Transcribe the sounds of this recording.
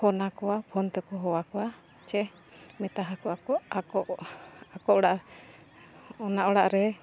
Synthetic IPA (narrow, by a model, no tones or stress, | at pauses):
kɔnakɔapʰɔnt̪ɛkɔɦɔwakɔwa | t͡ʃɛ | mɛt̪aɦakɔakɔaɔʔakɔɔɽaʔ | ɔnaʔɔɽaʔɾɛ